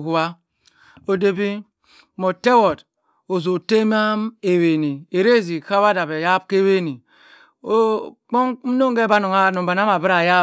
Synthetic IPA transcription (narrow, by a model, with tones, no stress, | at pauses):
ɦu˨wa˦ | o˦de˦bi˦ | mo˨te˦wo˨d | o˨zo˨te˦m˦a˦me˨we˨ni˨e˨ɾe˦zi˨ka˦βa˦da˨be˨ja˦b̚ke˦we˦ni˨ | o˦k͡po˦no˦ŋɡe˦ba˦no˨ŋa˦˨˦no˨ba˨na˦ma˨bi˦ɾa˨ja˦